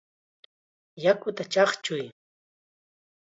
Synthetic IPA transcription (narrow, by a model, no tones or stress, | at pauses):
jakʊt̪at͡ʃɑχt͡ʃʊj